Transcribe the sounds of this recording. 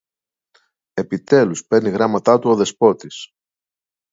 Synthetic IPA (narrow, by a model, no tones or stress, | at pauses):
e̞pit̪e̞luspe̞ɾniɣɾɐmɐt̪ɐt̪uo̞ðe̞spo̞t̪is